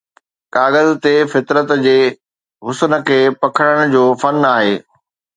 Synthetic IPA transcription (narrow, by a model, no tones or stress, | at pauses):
kaːɣəzt̪efɪt̪ɾət̪d͡ʑeː | ɦʊsnə̆kʰeːpɐkʰəɽ̃əɽ̃ʊd͡ʑoːfɐnaːɦeː